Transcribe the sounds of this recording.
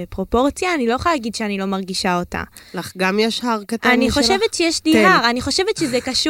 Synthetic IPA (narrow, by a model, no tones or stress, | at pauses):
epʁo̞po̞ʁt͡sjaːnilo̞jeχajalaɡid̪ʃeanilo̞maʁɡiʃao̞ta̰laχɡamjeʃhaʁkat̪aaniχo̞ʃevetʃejeʃliɦaʁaniχo̞ʃe̞vetʃezekaʃu